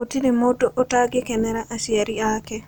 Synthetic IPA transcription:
otinemodoʔɔtaɡekɛnɛɾaʔasiaɾiakɛ

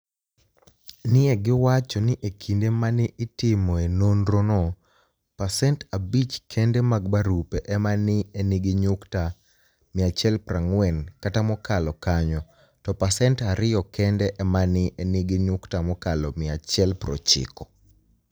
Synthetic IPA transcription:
nɪɛɡɪwat͡ʃɔnɪʔekʰindemanɪʔɪtɪmɔenondɾonɔ | pasɛntabit͡ʃkʰɛndɛmaɡbaɾupeʔɛmanɪeniɡɪɲʊkta | mɪat͡ʃɛlpraŋwɛnkatamɔkalɔkaɲɔ | tɔpasɛntaɾɪɔkɛndɛʔɛmanɪʔenɪɡɪɲʊktamɔkalɔmɪat͡ʃɛlpɾɔ̰t͡ʃɪ̰kɔ̥

